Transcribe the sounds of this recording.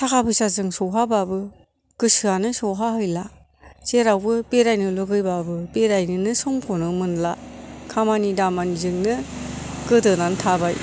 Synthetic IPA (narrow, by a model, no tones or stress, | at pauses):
tʰakʰapʰɯsazɯŋsɔwɦababɯ | ɡ̥ɯsɯanɯsɔɦaɦɯjla | seɾawbɯpeɾajnɯlɯɡɯjbabɯpeɾajnɯnɯsɔŋkʰɔnɯmɯnlakʰamanidamanizɯŋnɯɡɯdɯnantʰabaj